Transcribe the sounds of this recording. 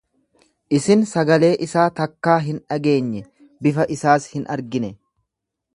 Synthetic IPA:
ʔɪsɪnsɐɡɐle̞ːʔɪsaːt̪ɐkːaːɦɪnᶑɐɡe̞ːɲːɛ | bɪfɐʔɪsaːshɪnʔɐ̰ɾɡɪnɛ

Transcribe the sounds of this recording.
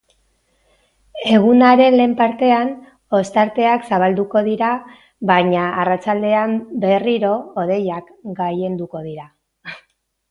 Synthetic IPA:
e̞ɣ̞unaɾe̞nle̞ːmpaɾt̪e̞an | o̞st̪aɾt̪e̞aksaβald̪uko̞ð̞iɾa | βaɲaːrat͡ʃald̪e̞ambe̞riɾo̞ːð̞e̞jakɡaje̞nd̪uko̞ðiɾa

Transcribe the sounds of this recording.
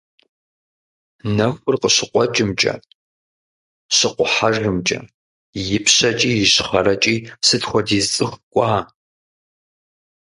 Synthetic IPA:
nɐxʷʊrqəɕɪqʷɔt͡ʃʼɪmt͡ʃʼɐ̰ | ɕɪqʷʊħaʒɨmt͡ʃʼɐ̰ | jɪpʰɕɐt͡ʃʼiːjɪɕχɐɾɐt͡ʃʼiːsɨtxʷɔdiːzt͡sʼɨxʷkʷʼɑː

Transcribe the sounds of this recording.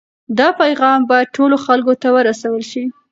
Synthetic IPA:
d̪ɑpajɣɑmbɑjad̪̚ʈʰoloxalkot̪awəɾasawəlʃi

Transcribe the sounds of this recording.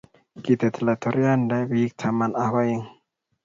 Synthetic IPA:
kit̪at̪ʰəlat̪ʰoɾiandabik̚t̪ʰamanahwaiŋ

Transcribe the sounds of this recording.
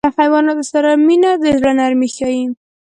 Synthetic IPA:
əxajwɑnod̪əsaɾaminad̪əʒɾanaɾmixjɑji

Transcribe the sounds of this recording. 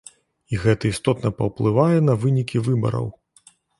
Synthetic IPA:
iɣɛt̪ɐist̪ɔt̪nɐpɐwplˠɨvajɛn̪ɐvɨnʲikʲivɨbɐ̰ɾɐ̰w

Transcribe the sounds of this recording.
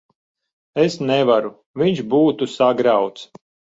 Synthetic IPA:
esnɛvaɾu | viɲʃbuːt̪usaɡɾawt̪s

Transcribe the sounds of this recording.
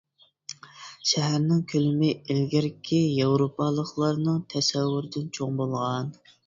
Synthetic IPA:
ʃɛɦæɾnɪŋkʲʰølɪmɪelɡʲɪɾkʲʰːijɑwɾopʰɑlˠəχlˠɑɾnɨŋt̪ʰɛsɛwːʊɾɪd̪ɪnt͡ʃʰoŋbolˠʁɑn

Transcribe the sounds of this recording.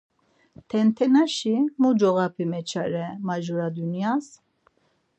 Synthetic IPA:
t̪ʰɛnt̪ʰɛnaʃimud͡ʒɔɣapʰimɛt͡ʃʰaɾɛmaʒuɾad̪unjas

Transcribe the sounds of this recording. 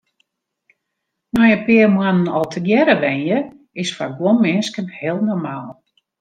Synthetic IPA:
nɔjəpɪːərmwanənɔlˠtʰəɡjɛɾəʋɛnjə | ɪsfaɡwonmɪnskənhɪəlˠnɔrmaːlˠ

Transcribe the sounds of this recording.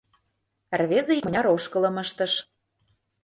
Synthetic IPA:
rβezĕimə̆nʲɑɾoʃkɤ̆lɤ̆məʃt̪ə̆ʃ

